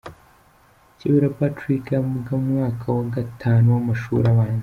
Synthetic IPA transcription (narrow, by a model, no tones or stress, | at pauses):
ciβiɾapatɾikauɡamŋaːkʰawaɡatʰaːnuwamaʃṵɾaβaːɲz